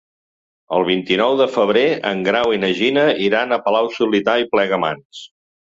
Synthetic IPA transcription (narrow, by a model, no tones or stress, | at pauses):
əlˠβ̞int̪inɔwðəfəβ̞ɾeə̰ŋɡɾawinəʒinəiɾanəpəlawsulit̪aiplɛɣəma̰ns